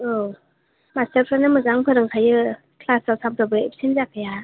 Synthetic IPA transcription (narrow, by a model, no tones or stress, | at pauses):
o | mastəɾpʰɾanɯmɯzaŋpʰɯɾɯŋkʰajɯ | kʰlasawsʰamtʰɔbɯepʰsenzakʰɯja